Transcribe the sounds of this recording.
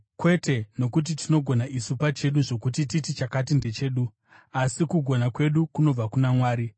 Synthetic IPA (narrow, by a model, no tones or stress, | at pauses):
kwe̞te̞no̞kut̬itino̞ɡʱo̞naʔisupat͡ʃe̞ɗuʐo̞kut̬ititit͡ʃakat̬inde̞t͡ʃe̞ːɗu | asikuɡʱo̞nakwe̞ɗukuno̞b͡vakunamwaːɾi